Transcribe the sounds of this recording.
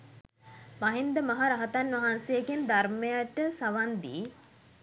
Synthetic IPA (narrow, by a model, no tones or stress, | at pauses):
maɦind̪əmaɦaɾaɦɐt̪anʋɐɦansejɡend̪armejaʈəsaʋand̪iː